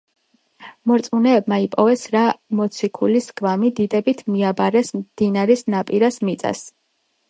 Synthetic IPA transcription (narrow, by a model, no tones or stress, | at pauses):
mɔɾt̪sʼmunɛːbmaipʼɔvɛsɾamɔt̪sʰikʰulisɡvamid̪id̪ɛbit̪ʰmiabaɾɛsmd̪̥inaɾɛsnapʼiɾasmit̪sʼa̰s